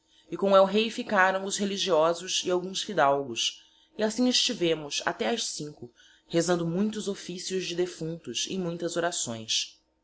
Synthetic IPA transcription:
ɪkõɛwɦejfikaɾɐ̃w̃ʊzɦeliʒiɔzʊzɪawɡũsfid̪awɡʊs | ɪasĩŋɪst͡ʃivẽmʊsa̰t̪ɛɐʃsĩŋkʊ | hezɐ̃nd̪ʊmũj̃t̪̬ʊzofisiʊzd͡ʒɪd̪efũnt̪ʊsɪ̰̃j̃mũj̃t̪ɐzoɾasõ̰j̃s

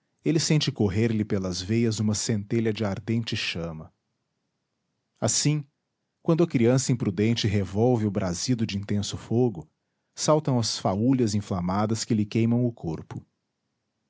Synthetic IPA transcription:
elɪsẽnt͡ʃɪkoɦeɾlɪpelɐzvejɐzũmɐsẽnt̪eʎɐd͡ʒɪaɾd̪ẽnt͡ʃɪʃɐ̃mɐ | asĩ | kwɐ̃nd̪ʊɐkɾiɐ̃sɐĩpɾud̪ẽnt͡ʃɪɦevɔwvɪʊbɾʔazid̪ʊd͡ʒɪĩnt̪ẽsʊfoɡʊ | sawt̪ɐ̃w̃ɐsfauʎɐzĩflamad̪ɐskɪlɪkejmɐ̃w̃ʊkʰoɾpʊ

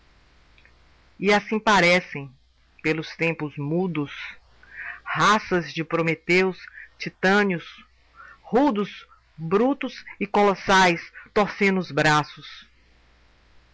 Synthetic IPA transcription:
iasĩpaɾɛsẽj̃ | pelʊst̪ẽmpʊzmud̪ʊs | hasɐzd͡ʒɪpɾomet̪ewst͡ʃit̪ɐ̃njʊs | hud̪ʊs | bɾut̪ʊsɪkolɔsajst̪oɾsẽd̪ʊʊzbɾasʊs

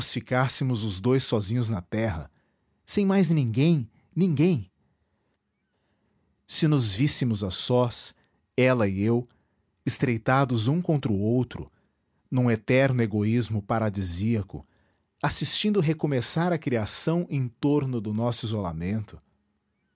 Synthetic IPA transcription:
ʊsfikasɪmʊzʊzd̪ojsɔzĩɲʊznɐt̪ɛɦɐ̰ | sẽj̃majznĩŋɡẽj̃ | nĩŋɡẽj̃ | sɪnʊzvisɪmʊzasɔs | ɛlɐɪew | ɪst̪ɾejt̪ad̪ʊzũkõnt̪ɾʊowt̪ɾʊ̰ | nũet̪ɛɾnʊeɡoizmʊpaɾad͡ʒiziɐkʊ̰ | asist͡ʃĩnd̪ʊɦekomesaɾɐkɾiasɐ̃w̃ʔẽj̃t̪oɾnʊd̪ʊnɔsʊizola̰mẽnt̪ʊ̥

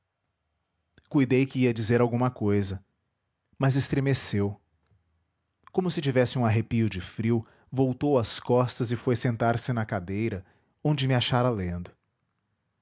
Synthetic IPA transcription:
kujd̪ejkɪiɐd͡ʒizeɾawɡũmɐkojzɐ | mɐzɪst̪ɾemesew | kõmʊsɪt͡ʃivɛsɪũaɦepiʊd͡ʒɪfɾiw | vowt̪owɐskɔst̪ɐzɪfojsẽnt̪aɾsɪnɐkad̪ejɾɐ | õd͡ʒɪmɪaʃaɾɐlẽnd̪ʊ

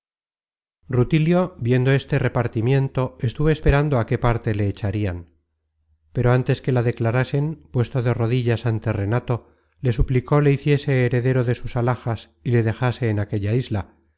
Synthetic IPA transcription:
rut̪iljo̞bje̞nd̪o̞e̞st̪e̞re̞paɾt̪imjẽ̞nt̪o̞e̞st̪uβo̞espe̞ɾand̪oake̞paɾt̪e̞le̞ːt͡ʃaɾian | pe̞ɾo̞ant̪e̞ske̞laðe̞klaɾase̞mpwe̞st̪oðe̞ro̞ðiʎasant̪e̞re̞nat̪o̞ | le̞s̬upliko̞le̞iθje̞se̞ːɾe̞ðe̞ɾo̞ðe̞susalaxas | ile̞ðe̞xase̞ːnake̞ʎaizla

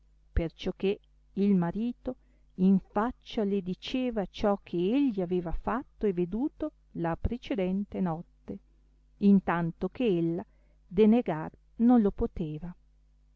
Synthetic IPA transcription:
pert͡ʃokːe | ilmaɾiːt̪o | iɱfat͡ʃːaled̪it͡ʃeːvat͡ʃɔkʰeeʎːiaveːvafat̪ːoeved̪uːt̪o | lapɾet͡ʃed̪ɛnt̪enɔt̪ːe | int̪ant̪okeelːa | d̪eneɡar | nonlopot̪eːva

